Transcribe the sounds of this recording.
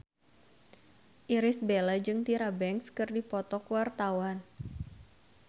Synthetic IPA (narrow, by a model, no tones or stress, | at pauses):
ʔiɾɪsbelad͡ʒɨŋt̪iɾabɛŋkskɨrdipɔt̪ɔkuwart̪awan